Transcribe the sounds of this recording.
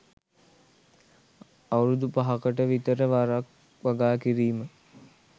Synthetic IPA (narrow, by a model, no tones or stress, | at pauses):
awɾud̪upaɦakəʈəʋit̪əɾəʋaɾak | ʋaɡaːkiɾiːmə